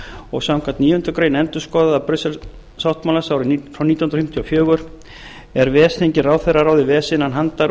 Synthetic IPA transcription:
ɔɣsawŋkat̪niːjʏnt̪ʏkɾeːjnɛnt̪ʏskɔːðaðapɾʏsɛl | sawht̪mawlasawɾɪfɾawniːt̪aw̪hnɾɔfɪ̥m̥t̪ʰjafjœːɣʏɾ̥ | ɛɾvɛːsθeɲcɪraːwθɛraɾaːwðɪvɛːsɪnanɦant̪aɾ

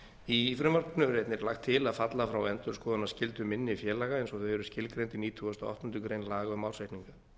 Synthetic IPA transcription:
ifɾʏmar̥knʏɛɾejt̪nɪɾlaxt̪ʰːɪlaðfat̪lafɾawɛnt̪ʏɾskɔːðanːascɪlt̪ʏmɪnːɪifjɛːlaɣaejnsɔθœhɛɾʏ̥scɪlkɾejnt̪iniːt̪ʰuast̪ɔɔ̰ht̪ɔnt̪ʏkɾejnlaːɣaʏmawsajht̪niŋkḁ

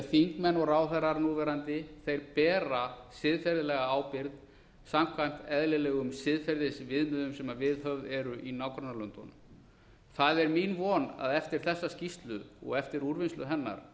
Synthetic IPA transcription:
θiŋkmɛnːɔɣɾaːwθaɾaɾnuːvɛɾant̪ɪθejɾpɛːɾasɪðfɛɾðɪlɛɣaaːwpɪɾð | samkʰvajm̥t̪ɛðlɪlɛɣʏmsɪðfɛɾðɪsvɪðmʏðʏmsɛmavɪðɦœvðɛɾʏʔinawkɾɔnaɾlœnt̪ɔ̰nm | θaðɛɾminvɔːna̰ðɛft̪ɪɾ̥θɛsːascist̪lʏɔ̰ɣɛft̪ɪɾuɾvɪnst̪lʏɦɛnːa̰ɾ

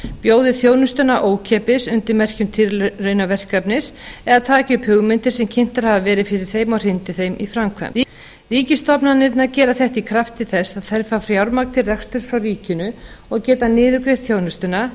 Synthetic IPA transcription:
pjoːwðʏθjoːwnʏst̪ʏnaʔoːwcʰɛːpɪsʏnt̪ɪɾmɛr̥cʏmt̪ʰɪɾːœɥnavɛr̥kapnɪsɛðat̪ʰaːcɪʏphʏɣmɪnt̪ɪɾ̥sɛmcʰɪn̥t̪aɾ̥havavɛːɾɪðfɪɾɪɾ̥θejmɔɣr̥ɪnt̪ɪθejmʔifɾamkʰvɛ̰m | riːcɪst̪ɔpnanɪɾt̪nacɛːɾaθɛht̪ikʰɾaft̪ɪθɛsːaðθɛɾfafɾjawɾmakt̪ʰɪlrɛxst̪ʏsfɾawriːcɪnʏɔɣcɛːt̪anɪːðʏkɾeɾ̥θjownʏst̪ʏna

